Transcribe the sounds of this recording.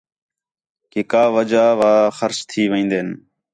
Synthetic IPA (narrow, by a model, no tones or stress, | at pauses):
keːkaːʋəd͡ʒaːʋaːxəɾt͡ʃt̪ʰiːʋẽːnd̪eːn